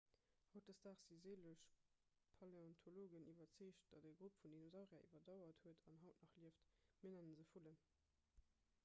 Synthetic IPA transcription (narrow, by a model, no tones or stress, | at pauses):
hɑʊt̚dəsd̥aːχz̥izeːləʃ | pʰɑleɔntʰoloːɡənʔivɐt͡siːʃt̚d̥ɑdeɡʁupfundinozɑʁjaʔḭvɐdɑʊɐthuətʰɑnɦɑʊtnɑχliəftmənænənzəfulən